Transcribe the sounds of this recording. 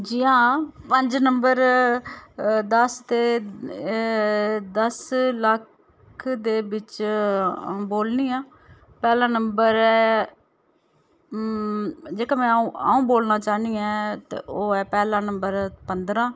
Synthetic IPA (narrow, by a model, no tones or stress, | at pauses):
d͡ʒɪãːpəɲd͡ʒnəmbəɾ | d̪əst̪eː | d̪əsləkʰ | d̪eːbɪt͡ʃ | boːlniːãː | pɛːlãːnəmbəɾɛː | d͡ʒeːkãːmɛ̃ːa̰ːũːboːlnãːt͡ʃaːniːɛ̃ːt̪ḛːʔoːɛːpɛːlãːnəmbəɾpənd̪ɾãː